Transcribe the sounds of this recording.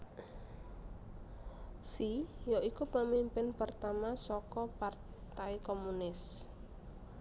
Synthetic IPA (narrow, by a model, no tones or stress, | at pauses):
sijoʔikupəmimpɪnpərt̪amasɔkɔpart̪ajkomunɪs